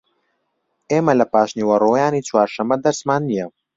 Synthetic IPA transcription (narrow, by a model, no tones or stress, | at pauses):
eːmɐlɐpaːʃniwɐroːjaːnit͡swaːɾʃɐmɐd̪ɐɾsmaːnːijɐ